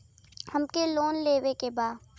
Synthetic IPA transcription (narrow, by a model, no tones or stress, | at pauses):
hɐmkeloːnleːwekebaːd̪